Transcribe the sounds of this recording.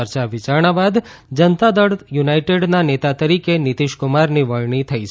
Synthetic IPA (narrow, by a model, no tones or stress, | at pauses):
əɾt͡ʃaʋit͡ʃaɾɳ̃abad̪ | d͡ʒənt̪ad̪əɽjunajʈeɖnanet̪at̪əɾikenit̪iʃkʊmaɾniʋəɭɳit̪ʰəit͡ʃʰ